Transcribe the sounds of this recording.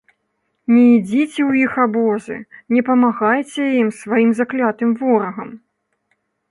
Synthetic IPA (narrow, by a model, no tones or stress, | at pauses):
nʲɛid͡zʲit͡sʲɛwjixabɔzɨ̰nʲɛpɐmaɣajt͡sʲɛjimsvajimzaklʲat̪ɨmvɔɾɐɣɐm